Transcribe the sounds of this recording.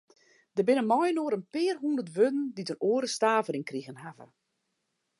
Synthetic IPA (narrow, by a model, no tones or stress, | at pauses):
d̥əbɪnəmɔjənoəɾənpɪːrɦundərtʋødn̩ditənoəɾəstaːvəɾɪŋkriɣənɦavə̰